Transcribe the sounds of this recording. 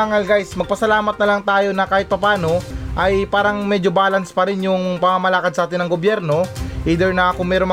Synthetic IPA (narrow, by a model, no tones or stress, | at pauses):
aŋɐlɡajsmɐɡ̚pɐsɐlaːmɐt̪̚nɐlɐŋt̪aːjo̞nɐkaːhɪt̪̚pɐpaːno̞ʔɐjpaːɾɐŋmɛd͡ʒobaːlɐnspɐɾɪnjʊŋpɐŋamɐlaːkɐd̪̚saːt̪ɪnɐŋɡobjɛɾno̞ʔiːd̪ɛɹnɐʔɐkoŋmɛːɾoŋm